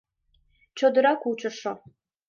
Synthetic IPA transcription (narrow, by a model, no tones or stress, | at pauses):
t͡ɕod̪ə̆ɾɑkut͡ɕə̆ʃo